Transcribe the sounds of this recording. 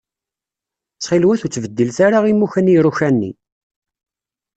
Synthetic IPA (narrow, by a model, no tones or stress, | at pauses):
t͡sːχilwæθut͡sːvəd̪ːəlθaɾaʁimuçæniruçænːḭ